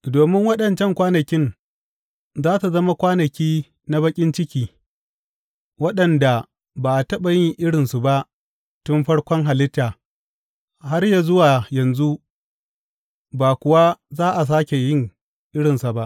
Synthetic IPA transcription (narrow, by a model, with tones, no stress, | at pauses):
doː˨mɪ˦ŋwɐ˦ɗɐ˨nt͡ʃɛ˦˨ŋkʷaː˦nɐ˨kʲɪ˦n | zaː˦ta˨zɐ˦ma˦kʷaː˦nɐ˨kʲiː˦ | na˦bɐ˦kʲʼɪ˦nt͡ʃɪ˦kʲiː˦ | wɐ˦ɗɐ˨nda˨ | baː˨ʔtɐ˦ɓa˨jɪ˦ŋʔɪ˦ɽɪ˨nsu˨ba˦ʔ | tʊ˦mɸɐ˦ɽkʷɔ˦ŋɦa˨lɪ˦tːaː˨ | ha˦rja˨zʊ˦waː˨jɐ˨nzu˦ | baː˨kʷʊ˨wa˦zaː˦ʔa˨s̬aː˦kʲe˨jɪ˦ŋ | ʔɪ˦ɽɪ˨nsa˨ba˦ʔ